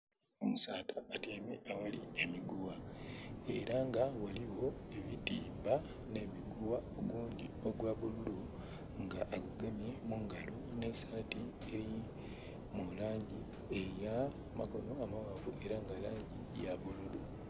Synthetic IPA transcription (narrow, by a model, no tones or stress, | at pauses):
omusaːtaːteːmḛʔawaliemiɡuwa | e̞ɾaŋɡawaliwo̞e̞βitiːmba | ne̞miɡuwaoɡuːɲɟioɡwaβululu | ŋɡaʔːɡuɡemje̞muŋɡalune̞saːti | e̞ɾi | mulaːɲɟi | eja | maɡo̞no̞amawaːvuʔe̞ɾaŋɡalaːɲɟijaβululu